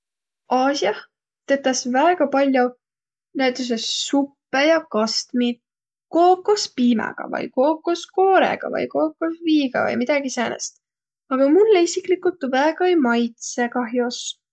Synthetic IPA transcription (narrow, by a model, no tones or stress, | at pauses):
ɑːsiɑh | t̪e̞t̪ːˑɑsvæeɡ̥ɑpɑlʲjo | næjt̪ːˑus̬essupːejɑkɑst̪mid̪̚ | koːkːˑospiːmɛ̰ɡ̥ɑ̰vɤ̰jko̞ːkːˑoskoːɾḛɡ̥ɑ̰vɤ̰jko̞ːkːosviːɡ̥ɑ̰vɤ̰jmid̪̥ɑɡ̥iseːnḛst̪ | ɑɡ̥ɑmulːeisiklikːult̪ːˑuvæeɡ̥ɑejmɑjt̪se̞kɑɦjos